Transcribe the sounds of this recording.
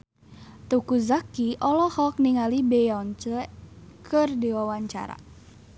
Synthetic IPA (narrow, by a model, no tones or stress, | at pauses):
t̪ukuzakiʔɔlɔhɔk̚niŋalibɛjɔɲt͡ʃəkʰərdiwawaɲt͡ʃa̰ɾa̰